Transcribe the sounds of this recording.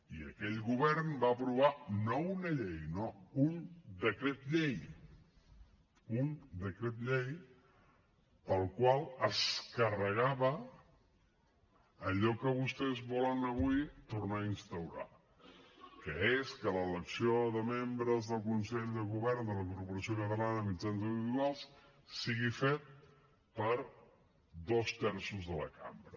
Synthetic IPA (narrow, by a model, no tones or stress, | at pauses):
iəkɛʎɣuβɛrnbaəpɾuβ̞anounəʎejnound̪əkɾet̪ʎej | und̪əkɾet̪ʎej | pəlˠkwalˠəskərəɣ̞aβə | əʎɔkəβust̪ɛzβɔlənəβuit̪urnainst̪əwɾa̰ | kəeskələːləksioðəmembɾəzðəlˠkunsɛʎðəɣuβɛrnd̪ələkurpuɾəsiokət̪əlanəmid͡ʒanzəβit̪ualˠs | siɣifet̪̚ | pəɾ | d̪ost̪ɛɾsuzðələ̰kʰa̰mbɾə